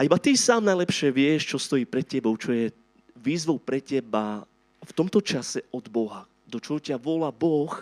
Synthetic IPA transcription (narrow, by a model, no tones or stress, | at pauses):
ʔaibat̪isaːmnajlɛpʃɪɛʋɪɛʃt͡ʃɔst̪ɔjiːpɾɛt̪cɛbɔʊt͡ʃɔjɛ | ʋiːzʋɔʊpɾɛcɛba | ft̪ɔmt̪ɔt͡ʃasɛɔd̪bɔɦa | d̪ɔt͡ʃɔɦɔcɪaʋʊɔlabɔx